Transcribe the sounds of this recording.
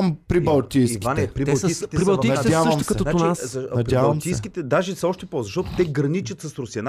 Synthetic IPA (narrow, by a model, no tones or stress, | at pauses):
mpɾibɐlˠt̪ijsivanɛpɾib̪ɐlˠtsijskit̪ɛɾisbɛlˠviadʲavəʃmt̪kɐt̪ɔnaot͡ʃnazɐnɐpɾʲiabɐlˠmt̪ij̪kʲit̪ɛd̪aʒɛsɔʃt̪ɛpozɐʃt̪ɔt̪ʊt̪ɛɡɾɐnit͡ʃɐt̪sɐsɾʊsiɐn